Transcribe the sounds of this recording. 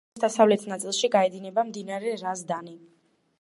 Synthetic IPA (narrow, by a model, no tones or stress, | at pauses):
d̪asavlɛt̪ʰnat̪sʼilˠʃiɡaɛd̪inɛbamd̪inaɾɛɾazd̪ani